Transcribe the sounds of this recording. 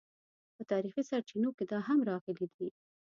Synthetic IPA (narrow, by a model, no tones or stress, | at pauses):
pət̪ɑɾixisaɾt͡ʃinoked̪ɑɦamɾɑɣəlid̪i